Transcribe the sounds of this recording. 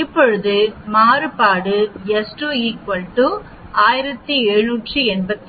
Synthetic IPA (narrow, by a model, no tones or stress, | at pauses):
ɪpːɔɻɯðɯmaːɾɯpaːɽɯɛsʈuiːk̚pɐɭʈːu | aːjɪɾɐt̪ːiɛɻɯnuːʈrɯɛɳbɐt̪ː